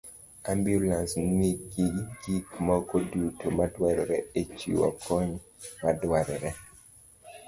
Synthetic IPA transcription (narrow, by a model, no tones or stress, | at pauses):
ambjulansŋiɡiɡ̥ikmɔkɔdutomadwaɾɛɾɛet͡ʃḭwɔ̰kʰɔɲ | madwaɾɛɾɛ